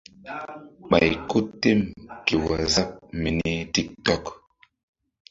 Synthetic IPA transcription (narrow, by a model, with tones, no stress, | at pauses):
ɓa̰˨jko˦tːe˦mke˨wa˨za˦k̚me˨ni˦ti˦k̚tɔ˦k